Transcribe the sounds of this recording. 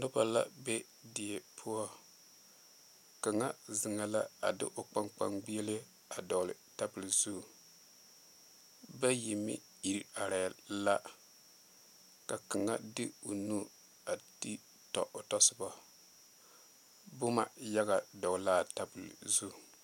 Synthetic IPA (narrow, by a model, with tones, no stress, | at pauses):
nʊ˦ba˨la̰˦be˦ | dɪ˨e˨pʰʊ˦ɔ˦ | ka˨ŋa˦zɨ˨ŋa˦la˦a˨dɪ̰˦ʔo˨k͡pa˦ŋk͡pa̰˨ŋɡ͡bi˦e˦lɪ˦a˦ | a˨dɔ˨lɨ̰˨ta˦bɨ˨lzu˦˨ | ba˦ji˨mḭ˦ | i˨ɾa˨ɾa˨la˦ | ka˨ka˨ŋːa˦dɨ˦o˨nu˦ | a˨ti˦ | tɔ̰˨ʔo˨tɔ˦sɨ˦ba˨ | bʊ˦ma˨ja˦ɡa˨dɔ˨ɡlaː˦ta˨bɨ˨l̰zu˦˨